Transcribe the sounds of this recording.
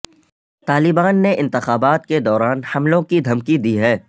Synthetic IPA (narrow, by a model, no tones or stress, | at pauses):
t̪aːlɪbaːnːeʔɪ̃nt̪ɪxaːbaːt̪ked̪ɔːɾaːnhɐmlõkid̪ʱɐmkid̪iɦɛː